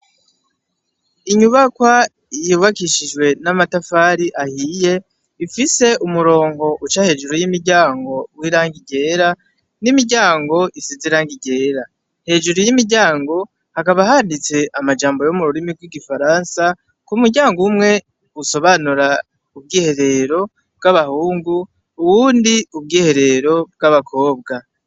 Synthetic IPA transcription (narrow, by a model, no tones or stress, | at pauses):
iɲuβakwa | ijuβakiʃiʒwe̞namatafaːɾiʔahije̞ | ifise̞ʔumuɾo̞ːŋɡo̞ʔut͡ʃahe̞ːʒuɾojimiɾɟaːŋɡo̞wiɾaːŋɡiɟe̞ːɾa | nimiɟaːŋɡo̞ʔisiziɾaːŋɡiɟe̞ːɾa | he̞ːʒuɾojimiɟaːŋɡo̞ | hakaβahandit͡se̞ʔamad͡ʒaːmbo̞jomuɾuɾimiɡwiɡifaɾaːnsa | kumuɾɟaːŋɡumŋe̞ | uso̞βanuɾa | ub̚ɡiːhe̞ɾe̞ɾo̞ | bɡaβahuːŋɡu | uwuːndiub̚ɡiːhe̞ɾe̞ɾo̞b̚ɡaβakʰo̞ːbɡa